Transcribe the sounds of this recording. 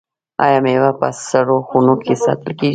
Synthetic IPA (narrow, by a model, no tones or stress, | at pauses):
a̰jamewapə̰saɽoxunokʰesɑ̰t̪ɪlke